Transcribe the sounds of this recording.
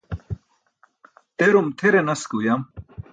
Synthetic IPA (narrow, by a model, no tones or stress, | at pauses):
t̪eɾumt̪ʰeɾenɐskujam